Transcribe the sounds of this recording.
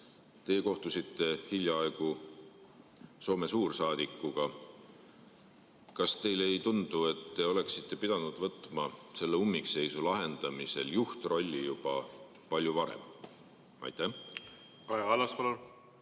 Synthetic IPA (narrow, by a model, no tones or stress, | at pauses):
t̪e̞ːko̞ht̪usit̪ːˑe̞hilʲjɑɑeɡ̥u | so̞ːme̞suːrsɑːd̪̥ikːuɡ̥ɑ | kɑst̪e̞jlejt̪und̪̥ue̞t̪ːe̞o̞le̞ksit̪ˑːe̞pid̪ɑnud̪̥vɤt̪ˑmɑse̞lːeumːikse̞jsulɑɦe̞nd̪̥ɑmise̞̰ljuht̪ro̞lʲːijub̥ɑ | pɑlʲjuvɑɾḛm | ʔɑ̰jt̪ːˑæh | ɑjɑɑlːɑspɑlol